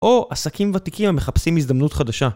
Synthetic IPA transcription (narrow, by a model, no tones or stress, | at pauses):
ʔo̞ʔasakimvat̪ikimame̞χapsimizd̪amnut̪χad̪aʃa